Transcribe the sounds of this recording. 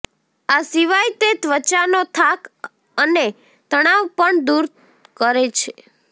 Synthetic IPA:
asiʋajt̪et̪ʋət͡ʃanot̪ʰak | əne | t̪əɽ̃aʋpəɳd̪uɾ | kəɾet͡ʃʰe

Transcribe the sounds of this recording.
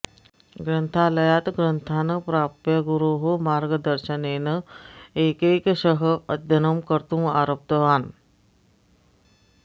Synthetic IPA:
ɡɾɐnt̪ʰalɐjaːt̪ɡɾɐnt̪ʰaːnɐpɾaːpjɐɡuɾuːɦomaːɾɡəd̪ɐɾʃɐneːnɐeːkeːkʃəɦəɐd̪ʱjɐnɐmkɐɾt̪uma̰ːɾoːp̚t̪ɐʋaːn

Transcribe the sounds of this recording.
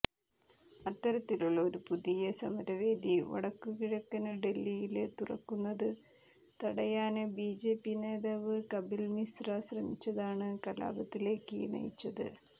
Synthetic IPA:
ɐt̪ːɐɾɐt̪ːiluɭːɐo̞ɾupuðijɐsɐmɐɾɐʋe̞ːd̪iʋɐ̰ɽɐkːukiɻɐkːɐnɐɖe̞lːijilet̪urɐ̰kːunːɐðɨ | t̪ɐɽɐjaːnɨbiːd͡ʑe̞ːpːine̞ːðaːʋɨkɐbilmisrɐɕrɐmit͡ɕːɐðaːɳɨkɐla̰ːbɐt̪ːile̞ːkːinɐ̰jit͡ɕːɐðɨ̰

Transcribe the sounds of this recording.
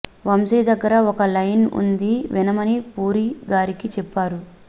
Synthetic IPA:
ʋɐmsijd̪ɐɡːɐɾɐɔkɐlɐjnṵnd̪iʋinɐmɐnipuːɾiɡaːɾikit͡ʃɛpːaːɾu

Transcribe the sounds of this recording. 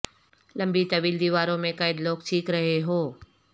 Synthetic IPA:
lɐ̃mbit̪ɐʋiːld̪iːʋaːɾõmẽkɐɪd̪loːɡʈʰiːkɾɐɦeɦoː

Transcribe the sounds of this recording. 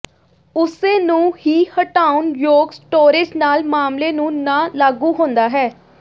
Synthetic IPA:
ʊsẽːnũːhiːhəʈaːunjoːɡsʈoːɾɪd͡ʒnaːlmaːmleːnũːnãːlaːɡũːɦõːnd̪aːɦɛː

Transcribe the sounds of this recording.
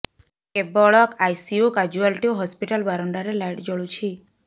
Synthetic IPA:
kebɔɭɔkajsiukad͡ʒuəlʈioɦɔspiʈəlbaɾɔɳɖaɾelajʈd͡ʒɔɭut͡ʃʰi

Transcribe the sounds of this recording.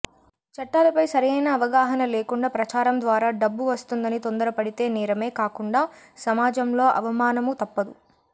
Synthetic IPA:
t͡ʃɐʈːaːlɐpɐjsɐɾijɐjnɐːʋɐɡaːɦɐnɐle̞ːkuɳɖaːpɾɐt͡ʃaːɾɐmd̪ʋaːɾaːɖɐbːuʋɐst̪und̪ɐnit̪o̞nd̪ɐɾɐpɐɽit̪e̞ːnɛːɾɐme̞ːkaːkuɳɖaː | sɐmaːd͡ʒɐmlo̞ːʔɐ̰ʋɐmaːnɐmut̪ɐpːɐd̪u

